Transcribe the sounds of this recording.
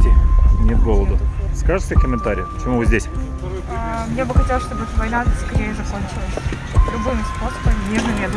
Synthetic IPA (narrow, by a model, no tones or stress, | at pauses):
tʲɪnʲet̪̚ɡolˠəd̪ʊskaʐɨt̪ʲɪkəmʲɪnt̪aɾʲɪ̰jpət͡ɕɪmuvɨzʲdʲesʲ | mnʲebɨxɐtʲelˠəsʲʂt̪oɛt̪vɐjnaskɐɾʲejəzɐkonʲt͡ɕɪlˠəsʲ | lʲʊbɨmspo̞səbənʲezɐvʲed̪